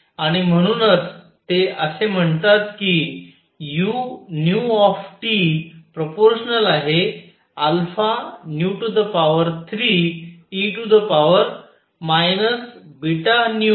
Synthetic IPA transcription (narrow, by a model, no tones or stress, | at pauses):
aɽ̃im̤əɽ̃uːnət͡s | t̪eəsem̤əɳt̪at̪ki | junjuɔfʈipɾopoɾɕənəlaɦe | alfanjuʈud̪əpaʋəɾt̪ʰɾiːiʈud̪əpaʋəɾ | majnəsbiʈanju